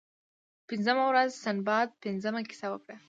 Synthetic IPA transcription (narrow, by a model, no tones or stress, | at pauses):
pɪnzəmawɾazsanbɑd̪̚pɪnzəmakɪ̥sawəkɽa